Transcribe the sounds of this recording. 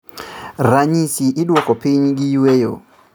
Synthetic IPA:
ɾaɲisiʔɪdwɔkɔpiɲɡiwejo̰

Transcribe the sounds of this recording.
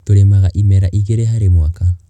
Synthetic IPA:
toɾemaɣaʔimɛɾaʔiɣeɾeɦaɾemoaka

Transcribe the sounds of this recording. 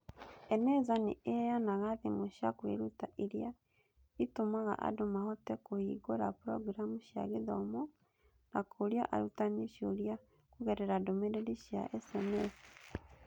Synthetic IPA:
enezanḭʔejanaɣaðimuʃakwḭɾutaʔiɾja | itumaɣa̰ʔa̰dumahotekuhiɡoɾapuɾo̰ɡiɾamuʃa̰ɣiðomo | nakʰuɾjo̰ʔa̰ɾutaniʃoɾja | kuɣeɾeɾadomeɾeɾiʃia̰ʔesemesi̥

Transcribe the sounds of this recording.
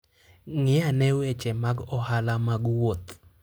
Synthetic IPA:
ŋɪanɛwet͡ʃɛmaɡɔhalamaɡwot̪

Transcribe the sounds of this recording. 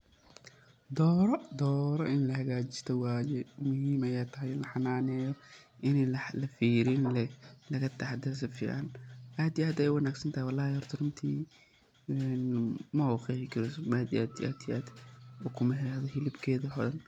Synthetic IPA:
d̪ɔːɾd̪ɔːɾɔʔɪnlɐhɐɣaːt͡ʃɪ̥st̪ʰɔwaːjɛmʊɦiːmɐjaːt̪ʰɐɦɛjlɐħɑnaːnɛːjɔ | ʔɪnɛlɐfiːɾɪnlɛlɐɣɐt̪ʰɐħɑd̪ɛs̬ɐfḭːʕanʔaːd̪ijaːd̪ɛjɛjwɑnaːɡsɐnt̪ʰajwalaːhjɔrt̪ʰɐrʊnt̪ʰiː | ɛnmɐxɛːfɪkʰɪɾɛsɔmaːd̪iaːd̪ia̰ːd̪ijʔaːd̪ɔkʰʊmɐɦɛðɔhɪlɪbkʰɛːðɐħɔðɐn

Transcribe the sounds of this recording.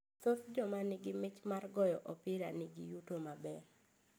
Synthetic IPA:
sosd͡ʒɔmanɪɡɪmɪt͡ʃmarɡɔjɔʔɔpɪɾanɪɡɪ̰jutomabɛ

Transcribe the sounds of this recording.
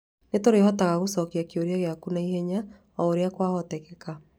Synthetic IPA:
netoɾehɔtaɣaɣosɔkiakeoɾiaɣeakunaihɛɲa | ɔoɾeakwahɔtɛkɛka

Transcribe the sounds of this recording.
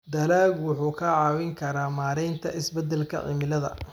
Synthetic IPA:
d̪ɐlaːɡwʊħuːkʰɐʕɑːwɪŋkʰɐɾaːmaːɾɛjnt̪ʰɐʔɪsbɛd̪ɛlkʰɐ̰ʔɪ̰mɪlɐðɐ̰

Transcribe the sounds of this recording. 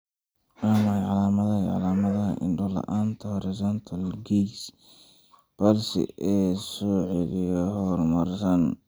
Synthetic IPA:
amajʕɑlaːmɐðɐʕɑ̰laːmɐðɐɦɐʔɪ̰ndʊlɐ̰ʔaːnt̪ʰɐhɔɾɪsɔnt̪ʰɐlɡis | b̥ɐlsɪ̰ʔɛːsɔːʕɛlɪjɔɦɔrmɐrsɐn

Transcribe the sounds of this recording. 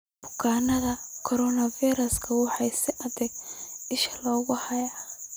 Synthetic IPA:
b̥ʊ̥kʰaːnɐðɐkʰɔɾɔnɐfijɾɐskʰɐwɑħɑjsɪʔɐdɛɡɪʃɐlɔːɣʊhɐjaː

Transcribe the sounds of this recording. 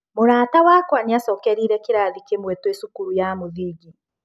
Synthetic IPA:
moɾaːtawakwaniasɔkɛɾiːɾɛkiɾaːðikemwɛtwesukuɾujamoðiːɡi

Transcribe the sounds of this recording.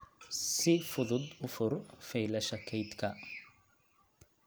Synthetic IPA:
sɪfʊðʊd̪ʊfʊrfɛjlɐʃɐkʰɛjd̪kʰɐ

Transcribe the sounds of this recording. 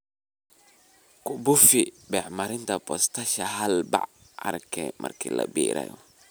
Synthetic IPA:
kʰʊbʊfɪbɛːħmɐɾɪnt̪ʰɐbɔst̪ʰɐʃɐɦɐlbɑ̰ʕ | ʔɐ̰rkʰɛmʔɐ̰rkʰiːlɐ̰biːɾɛ̰jɔ

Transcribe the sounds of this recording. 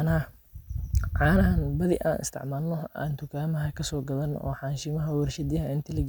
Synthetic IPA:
nɐɐ | ʕaːnɐɦɐnbɐðɪ̰ʔa̰ːnʔɪ̰st̪ʰɪ̰ʕmaːlnɔa̰ːnt̪ʰʊkʰaːmɐɦɐkʰɐsɔːɡɐðɐnʔɔ̰ːħɑːnʃɪmɐɦɐwɐrʃɐd̪jɐɦɐʔɪnt̪ʰɪlɪɡ

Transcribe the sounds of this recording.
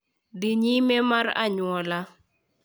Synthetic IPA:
d̪ɪɲimɛmaɾa̰ɲwɔla

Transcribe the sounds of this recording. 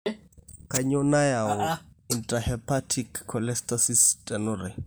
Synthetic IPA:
kaɲɔnajaʊintʼahɛpʰatʰikʰːɔlɛstasistʼɛnʊɾɛ

